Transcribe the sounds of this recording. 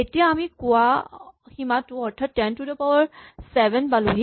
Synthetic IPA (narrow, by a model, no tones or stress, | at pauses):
etijaːmikʊwahimatʊɔɹtʰattɛntudɔpawaɹsɛbɛnbaluɦi